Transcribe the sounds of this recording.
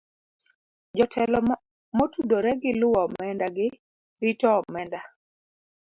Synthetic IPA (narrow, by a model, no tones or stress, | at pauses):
d͡ʒɔtʰɛlɔ | motudoɾɛɡɪlʊwɔmɛndaɡɪ | ɾitɔmɛnda